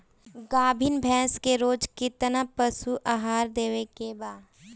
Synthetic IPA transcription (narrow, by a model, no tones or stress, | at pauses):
ɡaːbʱɪnbʱɛ̃ːskeɾoːd͡ʒkɪt̪napəsuʔaːɦaːɾd̪eːʋekebaːd̪